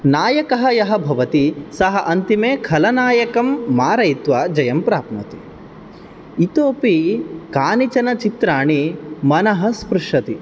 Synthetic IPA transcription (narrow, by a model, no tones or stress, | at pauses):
naːjɐkɐɦɐjɐɦɐ̆bʱɐʋɐt̪isɐɦɐʔɐnt̪imeːkʰɐlɐnaːjɐkɐmːaːɾɐjt̪ʋaːd͡ʒɐjɐmpɾaːpmɐt̪i | it̪oːpikaːnit͡ʃɐnɐt͡ʃit̪ɾaːɳimɐnɐɦɐspɾuʂɐt̪i